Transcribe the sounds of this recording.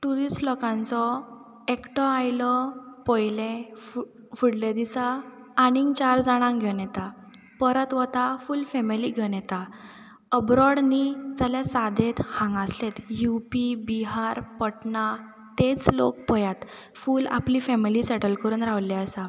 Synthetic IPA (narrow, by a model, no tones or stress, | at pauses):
ʈuɾisʈlɔkãnt͡sɔ | ekʈɔajlɔpɔjlẽ | fuɽled̪isaː | ñiŋɡt͡ɕaɾd͡zaɽ̃ãŋɡʱɛnjɛt̪a | pəɾət̪ʋət̪afulfɛmiliɡʱənjɛt̪a | əbɾɔɽnid͡zaljasad̪ʱet̪hãŋɡaslet̪jupibiɦaɾpəʈɳa | t̪et͡slo̰k̚pɔjat̪ | fuːla̰plifɛmilisɛʈəlkəɾuːnɾaʋlɛəsa